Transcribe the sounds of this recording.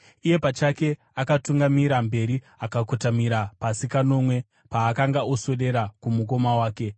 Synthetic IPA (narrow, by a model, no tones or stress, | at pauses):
ije̞pat͡ʃake̞ | akatuŋɡamiɾambe̞ɾi | akakotamiɾapasikano̞mwe̞ | paːkaŋɡaoso̞ɗe̞ɾakumuk̬o̞mawaːke̞